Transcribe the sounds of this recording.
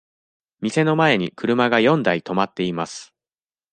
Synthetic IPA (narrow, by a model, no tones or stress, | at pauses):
mʲise̞no̞mae̞ɲ̟ikɯ̟ɾɯ̟maɡajõ̞nd̪ait̪o̞mat̪ːe̞imasɨ̥